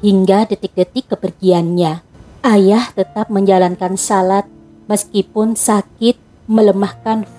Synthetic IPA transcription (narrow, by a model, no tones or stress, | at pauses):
hiŋɡadət̪ɪk̚dət̪ɪkːəpərɡianɲa | ʔajaht̪ət̪ap̚məɲd͡ʒalankansalat̪̚ | məskipʊnsakɪt̪̚ | mələmahkan